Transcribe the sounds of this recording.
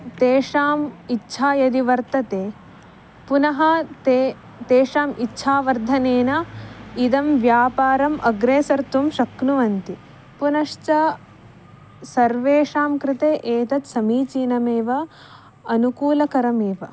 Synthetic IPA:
t̪eːʂaːmitːʃʰaːjɐd̪iʋɐɾt̪ɐt̪eː | punɐɦɐt̪e | t̪eːʂaːmitːʃʰaːʋɐɾd̪ʱɐneːnɐid̪ɐmʋjaːpaːɾɐmʔɐɡɾeːsɐɾt̪umʃɐknuʋɐnt̪i | punɐʂt͡ʃɐ | sɐɾʋeːʂaːmkɾɪt̪eːʔeːt̪ɐt̪sɐmiːt͡ʃiːnɐmeːʋɐ | ɐnukuːlɐkɐɾɐmeːʋɐ

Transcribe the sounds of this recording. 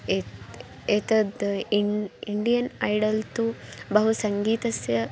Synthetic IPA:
e | et̪ɐd̪iiɳɖijɐnɐjɖɐlt̪ubɐɦusɐŋɡiːt̪ɐsjɐ

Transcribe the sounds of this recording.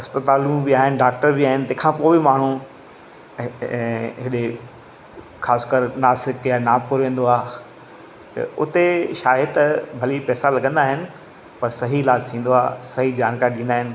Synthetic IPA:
ɐspət̪aːlũbɪaːɦɪnɪ̆ɖaːk̚ʈəɾbɪaːɦɪnɪt̪ɐ̃ɛ̃ːkʰãːpoːbɪmaːɳ̤ũ | ɦɪɗe | xaːskəɾnaːsɪkjanaːpʊɾʋẽːn̆d̪oaː | t̪ɐ̰ʊ̰t̪eʃaːɦɪt̪ɐbʱɐlipɛːsalɐɡə̃nd̪aːɦɪnɪ̆ | pɐɾsɐɦiɪlaːd͡ʑsĩːn̆d̪oaːsɐɦid͡ʑaːnkaːɾiɗĩnd̪aːɦɪnɪ̆

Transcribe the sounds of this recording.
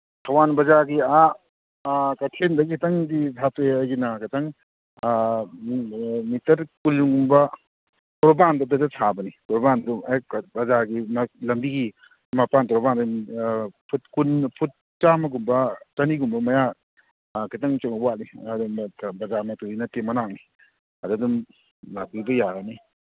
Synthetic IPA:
kʰɐwanbɐzaɡia | kɐtʰendɐɡikʰitɐŋditʰateajɡinɐkʰatɐŋ | mitɐɾkulɡumbɐ | tɔɾbandɐdɐzasʰabɐnitɔɾbanduabɐzaɡimɐlɐmbiɡi | mapantɔɾband | pʰut̚kunpʰut̚ | t͡ʃamɐɡumbɐt͡ʃaniɡumbɐmaja | katɐŋt͡ʃɔŋwat̚niadumbɐzamɐtuɡinɐtːemɐnaŋ̚ni | ɐdudum | lakibɐjaɡani

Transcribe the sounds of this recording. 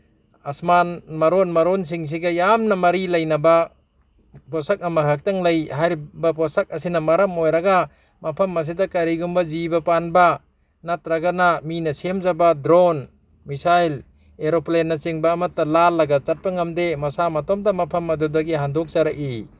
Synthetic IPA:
asmanmɐɾonmɐɾons̬iŋs̬iɡɐjamnɐmɐɾilɐjnɐba | pɔsak̚ɐmaɦak̚tɐŋlɐjhaɾbapɔsak̚ɐsinɐmɐɾɐmojɾaɡa | mɐpʰɐmːɐs̬idɐkaɾiɡumbɐzibɐpanba | nat̚ɾaɡanaminɐsimzabadɾon | misajl | eɾoplenːɐt͡ʃiŋbɐːmɐtːalalːɐɡat͡ʃat̚pɐŋɐmdemɐsamɐtɔmdamɐpʰɐmɐdudɐɡiɦandɔk̚zaɾaʔi

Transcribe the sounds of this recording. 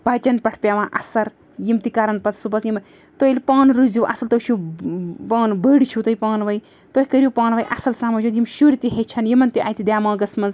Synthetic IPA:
bat͡ʃɐnpɐʈʰpʲaʋãːʔɐsɐɾ | jimt̪ikaːɾɐnpɐt͡ssubɐt͡sjim | t̪ojilʲpaːnɾuziwʔɐ̰sɐlt̪ot͡ʃʰu | paːnbəɽit͡ʃʰut̪ojipaːnʋɐj | t̪ohikɐɾjupaːnʋɐjʔɐsɐlsaːmɐd͡ʒud̪jimʃuɾit̪iɦet͡ʃʰɐnjimɐnt̪iʔa̰ːjt̪id̪ʲjaːmãːɡɐsmɐnz

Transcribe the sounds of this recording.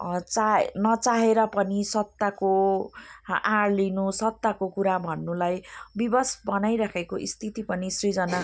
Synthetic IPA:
t͡sanʌt͡saɦeɾʌpʌnisʌt̪ːako | aɽlinusʌt̪ːakokuɾabʱʌnːulajbibʌsbʌnajɾakʰekoʔḭst̪ʰit̪ipʌnisrid͡zʌna

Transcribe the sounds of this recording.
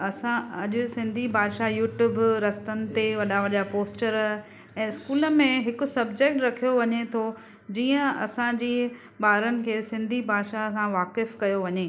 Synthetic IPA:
ɐsãɐʄʊsɪ̃nd̪ʱibʱaːd̪ʃajuːʈjuːbɾɐst̪ənɪ̆t̪eʋɐɗaʋɐʄapoːsʈəɾ | ɛ̃ːɪskuːlə̆mẽɦɪkʊ̆sɐbd͡ʑek̚ʈɾɐkʰijoʋɐɲet̪ʰo | d͡ʑiːə̃ɐsãd͡ʑiː | ɓaːɾənɪ̆kʰeːsɪ̃nd̪ʱibʱaːd̪ʃasãʋaːkɪfkɐjoʋɐɲeː

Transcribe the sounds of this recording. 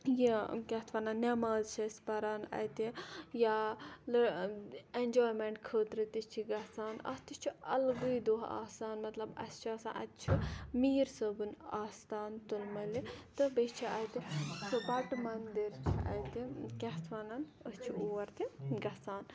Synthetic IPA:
jikʲɛht̪ʰʋaːnanːemaːzt͡ʃʰɐspɐɾaːnɐ̰t̪ijalɨ | end͡ʒoːjmeɳʈkʰəːt̪ɾɨt̪it͡ʃʰiɡɐsaːnɐ̰st̪it͡ʃʰiɐlɡɨjd̪oɦa̰ːsaːnmɐt̪lɐbɐ̰st͡ʃʰɐːsa̰ːnʔɐ̰t̪t͡ʃʰimiːɾsəbɨnaːst̪aːnt̪ulmɐlit̪ɨbest͡ʃʰiɐjt̪it͡ʃʰibɐʈmɐnd̪iɾt͡ʃʰiɐ̰t̪ikɛɦt̪ʰʋaːnanəst͡ʃʰioːɾt̪iɡɐsaːn

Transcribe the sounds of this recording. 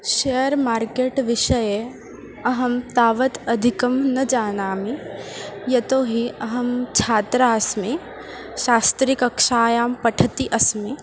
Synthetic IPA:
ʃejəɾmaːɾkeːʈʋɪʃɐje | ɐɦɐmt̪aːʋət̪ɐd̪ʱikɐmnɐd͡ʒaːnaːmi | jɐt̪oːɦiɐɦɐmt͡ʃʰaːt̪ɾaɐsmi | ʃaːst̪ɾikɐkʃaːjaːmpɐʈʰɐt̪iʔɐsmi

